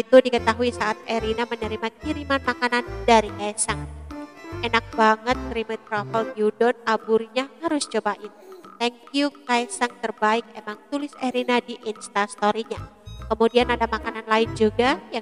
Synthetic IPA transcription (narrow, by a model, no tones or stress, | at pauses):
it̪udikət̪aɦuisaat̪̚eɾinamənəɾimakiɾimanmakanandaɾikajsaŋ | enak̚baŋət̪̚kɾimət̪ɾɔfəlɡjudɔnabuɾiɲahaɾʊst͡ʃobaʔɪnt̪ɛŋkjukaɛsaŋt̪ərbaɪk̚emaŋt̪ulɪseɾinadiʔɪnst̪ast̪oɾiɲakəmudianadamakananlaɪnd͡ʒuɡaja